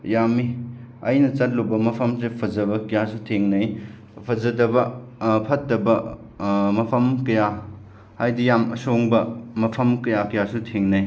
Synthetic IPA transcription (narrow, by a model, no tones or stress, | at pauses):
jami | ɐjnɐt͡ʃɐt̚lubɐmɐpʰɐmsepʰɐzɐbɐkɐjasutʰeŋnɐj | pʰɐzɐdɐbɐpʰɐtːɐbɐ | mɐpʰɐmkɐja | hajdijamɐ̰soŋbɐmɐpʰɐmkɐjakɐjasutʰeŋnɐj